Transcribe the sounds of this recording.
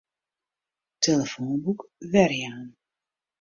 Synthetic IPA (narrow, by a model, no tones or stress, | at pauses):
teləfoːnbukvɛrjaːn